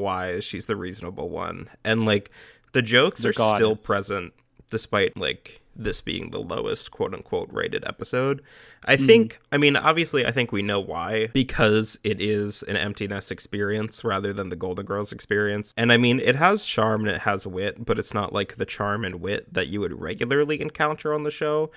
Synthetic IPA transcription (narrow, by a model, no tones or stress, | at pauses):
waɪ̥ʃizðɨɹiznəbl̩ˠwʌ̰̃nʔɨ̃nlaɪk | ðɨd͡ʒoʊksə˞tɪlˠpʰɹ̥ɛzə̃nt | d̥ɨspaɪt̚la̰ɪk | ðɪsb̥ḭɪ̰̃ŋðə̰lo̰ʊɨ̰skʰw̥oʊɾɨ̰̃nkʰw̥oʊt̚ɹḛɪɾɨ̰ɾɛ̰pəsoʊd | ʔaɪθɪ̃ŋkkaɪmĩnɑ̰bviɨslia̰ɪθɪ̃ŋkwinoʊwa̰ɪb̥ɨkʰʌzɪɾɪzɨ̰̃nɛ̰̃mp̚tʰinɨsɨkspɪɹiɨ̃nsɹæðə˞ðɨ̃nðɨɡoʊlˠdⁿn̩ɡɜ˞lˠzɨkspɪɹiɨ̃nsɨ̃naɪmĩnɪ̰t̚ɦəz̥t͡ʃʰɑɹmɨ̃nɨ̰t̚həzwɪt̚b̥ʌɾɨtsnə̰ʔlʔaɪk̚ðɨt͡ʃʰɑɹmɨ̃nwɪt̪̚ðɨ̰t͡ʃɨwɨd̚ɹɛ̰ɡjl̩ˠə˞lˠiɨ̰̃nkʰãʊ̃ntʰə˞ə̃nðɨʃoʊ